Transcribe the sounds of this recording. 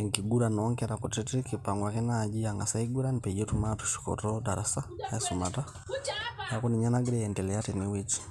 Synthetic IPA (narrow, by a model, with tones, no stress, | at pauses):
ɛŋki˨ɡu˦ɾa˨nɔ˦ŋkɛɾa˨ku˨tɛ˦ti˦ki˨pa˨ŋɡwa˨kɛ˦na˨d͡ʒi˦a˨ŋɡa˨sa˦iɡu˦ɾa˦ni˨pɛ˨ɟɛ˦tumatu̥˨ʃi̥˨kɔ̰tɔda˨ɾasa˦aɛsu˨mata˦ | ja˦ku˦ni˨ɲa˦na˦ɡi˦ɾɛɛ˨ndɛ˨lɛja˦tɛ˨ni˦wɛ˦t͡ʃi̥˦